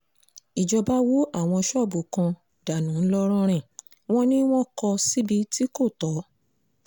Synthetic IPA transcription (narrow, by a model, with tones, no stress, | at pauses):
i˨d͡ʒɔ˧ba˦wo˦a˦˨w̃ɔ̃˧ʃɔ˦˨bu˨kã˧ | d̥a˨nũ˨˦n̩˦lɔ˦ɾ̃ɔ̃˦ɾ̃ɛ̃˨ | w̃ɔ̃˦nĩ˦w̃ɔ̃˦kɔ˧si˦bi˧ti˦ko˦˨tɔ˨˦